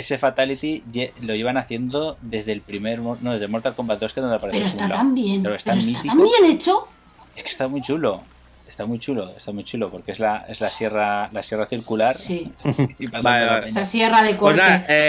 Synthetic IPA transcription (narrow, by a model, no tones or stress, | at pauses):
esefat̪alit̪iʝelo̞ʝeβanaθje̞nd̪o̞ðe̞zðe̞lpɾimeɾmoɾnoðezðemoɾt̪alkombat̪oskeðonapaɾepeɾoest̪at̪ambjenkaɾoest̪aɾosit̪at̪amje̞net͡ʃo | e̞ske̥st̪amujt͡ʃulo̞ | est̪amujt͡ʃulo̞e̞̰st̪amujt͡ʃulo̞po̞ɾkeezlae̞zlasjeralasje̞raθiɾkulaɾsiipasaeaẽnasjeraðekoaee